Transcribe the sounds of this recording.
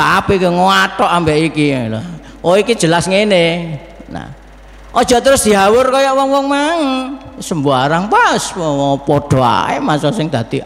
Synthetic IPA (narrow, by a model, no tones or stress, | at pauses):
aapikəŋoatɔʔambeʔikila | ɔiki̥ʒ̥əlasŋene | na̰ | ʔɔd̥ʒ̥ɔ̤t̪əɾʊsd̪̥i̤ɦawʊrkɔjɔʔwɔŋwɔŋmaŋsəmbuaɾaŋpaswɔwɔpɔd̥o̤a̰ḛmasɔsɪŋd̪̥a̤t̪i